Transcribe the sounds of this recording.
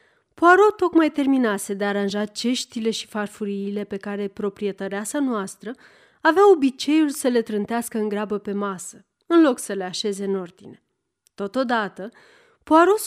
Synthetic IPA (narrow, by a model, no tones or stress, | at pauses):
poaɾo̞t̪o̞kmajt̪e̞rminase̞d̪e̞aɾanʒat͡ʃe̞ʃt̪ile̞ʃi̥farfuɾiːle̞pe̞kaɾe̞pɾo̞pɾie̞t̪əɾeasanoast̪ɾə | aveao̞bit͡ʃe̞julsəle̞t̪ɾɨnt̪easkəɨŋɡɾeabəpe̞masə | ɨnlo̞ksəle̞aʃe̞ze̞ɨno̞rd̪̥ine̞ | t̪o̞t̪o̞d̪at̪ə | poaɾo̞s